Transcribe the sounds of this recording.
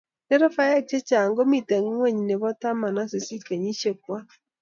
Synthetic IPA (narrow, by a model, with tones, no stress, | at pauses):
ne˦ɾo˦fa˦ja˦t͡ʃe˦t͡ʃa˨ŋɡo˦mi˨te˨ŋ˦ŋwɛ˦˨ɲ˨ne˨βɔ˦ta˦ma˨na˦se˨si˦ke˨ɲi˦ʃe˦k̚wa˦